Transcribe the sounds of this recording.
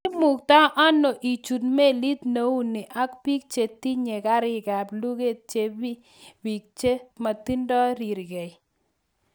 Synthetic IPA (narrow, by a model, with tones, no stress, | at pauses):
ɪ˦mu˨k̚t̪a˦ʔa˦no˨ʔi˨t͡ʃu˨tme˦˨li˦t̪no˨˦u˦ni˨ʔa˦kpi˦k̚t͡ʃe˨t̪i˦ɲe˨ka˦ɾɪ˨ɡa˨blu˦ɡe˦t͡ʃe˦bi˦ | wi˨k̚t͡ʃe˦ma˨t̪i˦ndɔ˦ɾi˨ɾɡe˨j